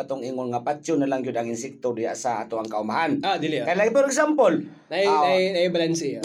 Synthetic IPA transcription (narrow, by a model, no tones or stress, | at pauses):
at̪ʊŋiŋʊnŋapat͡ʃʊnalaŋɡiʊd̪aŋɪnsɛk̚t̪odija̰ʔsaa̰t̪awaŋkaumaɦanad̪ilikajlapɔɾɛɡsampol | nainainaibalansia